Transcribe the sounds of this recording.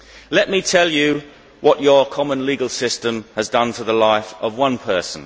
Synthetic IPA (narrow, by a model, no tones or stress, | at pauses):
lɛʔ̚mitʰɛlˠjə | wʔɒt͡ʃəkʰɒmə̃nliːɡəlˠsɪstə̃məzdʌ̃ntʰəðəlaɪfəvwʌ̃npʰɜˑ˞sə̃n